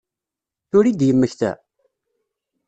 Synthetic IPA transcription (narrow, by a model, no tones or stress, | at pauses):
θʊɾid̪jəmːəçθæ̰